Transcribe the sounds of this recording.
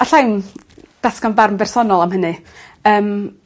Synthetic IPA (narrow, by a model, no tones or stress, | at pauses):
aɬawn | d̥askanbarmbɛrsɔnɔlˠamhənɨəːm